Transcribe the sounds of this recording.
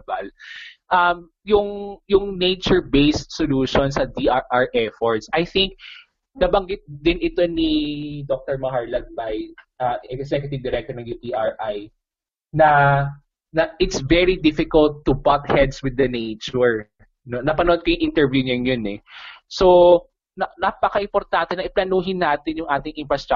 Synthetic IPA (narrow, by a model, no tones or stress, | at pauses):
balʔɐm | jʊŋjʊŋnejt͡ʃʊɹbejst̪̚soluːʃɔnsɐd̪iʔaɹʔaɹʔɛfɔɹt̪sɐjθɪŋk̚ | nɐbɐŋɡɪt̪̚d̪ɪnɪt̪o̞nid̪ok̚t̪ɔɹmɐhaɹlɐd̪̚bɐjʔɐɛksɛkjʊt̪ɪvd̪ɪɾɛk̚t̪ɔɹnɐŋjupiʔaɹʔaj | nɐ | nɐʔɪt̪svɛɹid̪ɪfɪkɐlt̪ːʊbat̪̚hɛd̪swɪd̪ːɐnejt͡ʃʊɹ | nonɐpɐnoʔod̪̚kɐjʊŋʔɪnt̪ɛɹvjuːnonjonɛso | nɐnapɐkɐʔɪmpɔɾt̪ant̪ɛnɐʔɪplɐnuːɦɪnːaːt̪ɪnjʊŋʔaːt̪ɪŋʔɪnfɹɐst̪ɾa